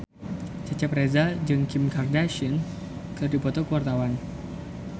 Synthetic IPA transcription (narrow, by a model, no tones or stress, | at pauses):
t͡ʃat͡ʃaprezad͡ʒɨŋkimkardaʃən | kɨrdipɔt̪ɔkəwart̪awan